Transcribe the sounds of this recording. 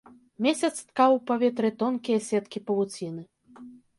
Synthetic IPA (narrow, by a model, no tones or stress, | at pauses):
mʲesʲɐt̪st̪kawpavʲɛt̪ɾɨt̪ɔnkʲijɐsʲɛt̪kʲipɐvut͡sʲinɨ